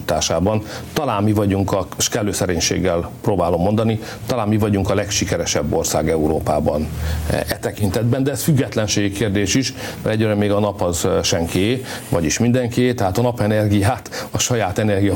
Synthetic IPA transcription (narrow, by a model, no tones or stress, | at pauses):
t̪a̰ːʃaːbɒnt̪ɒlaːnmivɒɟuŋkɒʃkɛlːøːsɛɾeːɲʃḛːɡːɛlproːbaːlo̞mːo̞nd̪ɒni | t̪ɒlaːmmivɒɟuŋkɒlɛkʃikɛɾɛʃɛbːo̞rsa̰ːɡɛuɾoːpa̰ːbɒ̰nɛt̪ɛkint̪ɛd̪bɛnd̪ɛɛsfyɡːɛt̪lɛnʃeːɡikeːrd̪eːʃiʃ | mɛɾɛɟːøɾɛmːeːɡɒnɒpɒzʃɛŋke | vɒɟiʃmind̪ɛŋkʰeːt̪ɛɦaːt̪ɒnɒpɛnɛrɡijaːt̪ɒʃɒjaːt̪ɛnɛrɡijɒ